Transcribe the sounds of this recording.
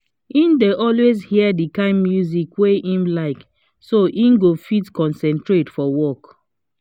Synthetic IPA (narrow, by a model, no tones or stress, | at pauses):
ĩndeʔɔlwezhiɛdikãɪ̃nmjuzikweĩmlaɪk | soʔĩnɡofitkɔ̃nsɛ̃ntɹetfɔwɔk